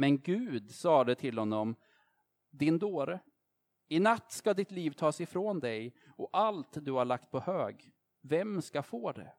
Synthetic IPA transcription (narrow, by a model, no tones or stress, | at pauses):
mɛnɡʉ̟ːd̪sɑːd̪ɛt̪ʰɪlhɔnːɔm | d̪ɪnd̪oːɾə | ɪnat̪ːskad̪ɪt̪liːvt̪ʰɑːsɪfɾoːnd̪ɛj | ɔalt̪d̪ɵhaɭak̚t̪̚pʰɔhøːɡ | vɛmskafoːd̪ɛ̰